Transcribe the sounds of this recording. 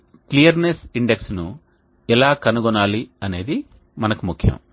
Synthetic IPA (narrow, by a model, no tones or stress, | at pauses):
klijɐɾnesiɳɖeksnu | ɛlaːkɐnuɡɔnaːliɐne̞ːd̪i | mɐnɐkumukʰjɐ̰m